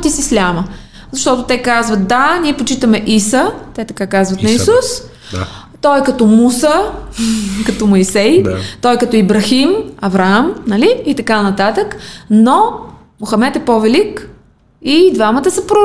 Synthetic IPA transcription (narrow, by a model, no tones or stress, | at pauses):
t̪isislʲamə | zɐʃt̪ɔt̪ʊt̪ɛkazvət̪̚d̪anʲiɛpot͡ʃit̪əmɛʔisət̪ɛt̪ɐkakazvɐt̪nɐissus | t̪ɔjkɐt̪ɔmusə | kɐt̪ɔmɐjsɛjt̪ɔjkɐt̪ɔibɾɐximɐvɾɐamnɐliːt̪ɐkanɐt̪at̪əkno | mʊxɐmɛt̪ɛpovɛlik | id̪vamət̪əsɐpɾo